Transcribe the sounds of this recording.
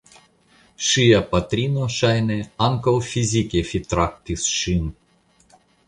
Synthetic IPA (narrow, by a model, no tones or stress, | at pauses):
ʃɨjapat̪ɾʲinoʃajnɛaŋkolˠfʲizʲikʲefʲit̪ɾak̚t̪ʲisʃɨn